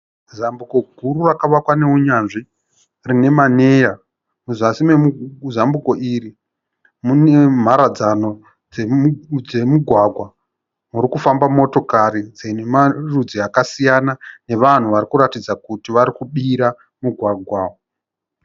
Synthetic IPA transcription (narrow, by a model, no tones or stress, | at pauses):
zambuko̞ɡʱuɾurakaʋakwane̞uɲanʐi | rine̞mane̞ja | muzasimemuzambuko̞ʔiɾi | mune̞m̤aɾad͡zano̞ | d͡zed͡ze̞muɡʱwaɡʱwa | muɾikufambamo̞to̞kaɾid͡zenemarud͡ziakasijanane̞ʋan̤uʋaɾikuɾatid͡zakutiʋaɾikuɓiɾa | muɡʱwaɡʱwao